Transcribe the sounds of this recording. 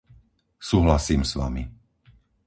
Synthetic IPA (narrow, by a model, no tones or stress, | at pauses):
suːɦlasiːmsʋa̰mi